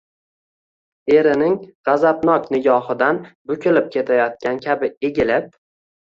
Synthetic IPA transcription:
e̞ɾɪnɪŋʁɑzapnɒknɪɡʲɒhɪd̪anbʊkʲʰɪlɪp̚kʲʰe̞t̪ʰajɒt̪̚kʲankʲʰabɪeɡʲɪlɪp̚

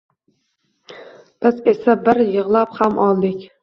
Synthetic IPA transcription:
b̥ɪze̞sabɪɾjɨʁlˠaphamʔɒlˠd̪ɪkʲ

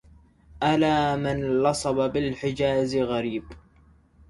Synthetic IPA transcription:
ʔalaːmɪnlɑsˤɑbɑbɪlħɪd͡ʒaːzɪɣaɾiːb

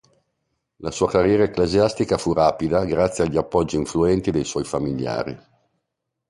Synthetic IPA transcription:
lasuːakarjɛːɾaekleziast̪ikafuraːpid̪aɡɾat̪sːjeaʎːiapːɔd͡ʒːiːɱfluɛnt̪id̪ejswɔjfamiʎja̰ːɾḭ

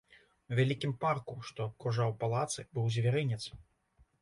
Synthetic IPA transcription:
wvʲalʲikʲimparkuʂt̪ɔt̪kuʐawpalˠat̪sɨbɨwzʲvʲaɾɨnʲɛt̪s

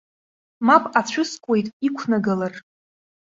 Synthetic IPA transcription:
mapʼat͡ɕʷʰʊskʷʼe̞jtʼikʷʰnaɡalar

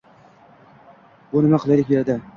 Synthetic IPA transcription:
bʊnɪmaqʰɨlˠaɾɪkʲjeɾd̪a

